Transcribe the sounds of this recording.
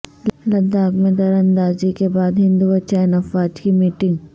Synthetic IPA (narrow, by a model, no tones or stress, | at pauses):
lɐd̪aːɡmẽd̪ɐɾɐ̃nd̪aːzikebaːd̪ɦɪ̃nd̪uʋɐt͡ʃaːnɐfaːd͡ʒkimiːʈɪ̃ŋɡ